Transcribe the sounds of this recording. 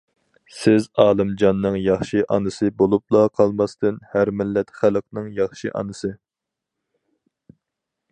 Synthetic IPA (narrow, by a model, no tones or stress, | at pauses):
sɪzɑːlˠɨmd͡ʒɑnːɨŋjɑχʃiʔɑnɨsɨbolˠup̚lˠɑqʰɑlˠmɑst̪ɨnhæɾmɪlːɛt̪χælˠəqnɨŋjɑχʃiʔɑ̰nɨsɨ